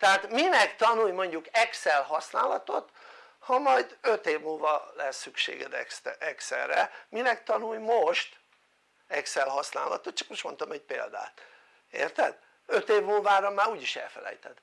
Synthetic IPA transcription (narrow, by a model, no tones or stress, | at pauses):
t̪ɛaːt̪minɛkt̪ɒnujmo̞ɲɟukɛksɛlhɒsnaːlɒt̪ot̪ | hɒmɒjd̪øt̪eːvmuːlvɒlɛsːykʃḛːɡɛ̰d̪ɛsɛksɛ̰rːɛminɛkt̪ɒnujmoʃt̪ | ɛksɛlɦɒsna̰ːlɒ̰t̪ot̪t͡ʃɒ̥kmoʃt̪mo̞nt̪omɛɟ̚pḛːld̪a̰ːt̪ | ḛːrt̪ɛd̪̥ | øt̪eːvmuːlvaːɾɒmaːɾuːɟiʃɛ̰lfɛlɛ̰jt̪ɛd̪̥